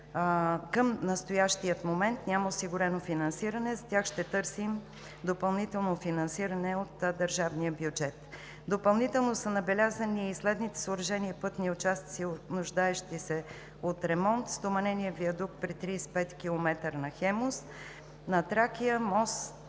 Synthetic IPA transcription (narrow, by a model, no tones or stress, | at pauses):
kəmnɐst̪ojaʃt̪ijət̪momɛnt̪nʲaməʊsiɡʊɾɛnofinɐnsiɾɐnɛzɐt̪ʲaxʃt̪ɛt̪ɤɾsim | d̪opɐlˠnit̪ɛlˠnofinɐnsiɾɐnɛot̪d̪əɾʒavnijəbjʊd͡ʒɛt̪ | d̪opɐlˠnit̪ɛlˠnosənɐbɛlʲazəniːslɛd̪nit̪ɛ̥soʊːɾɐʒɛniəpɤt̪niʊt͡ʃast̪sionʊʒd̪aɛʃt̪isɛ | ot̪ɾɛmɔnt̪st̪omɐnɛniəviɐd̪ukpɾit̪ɾispɛt̪kʲilˠomɛt̪əɾnɐxɛmos | nɐt̪ɾakiəmɔs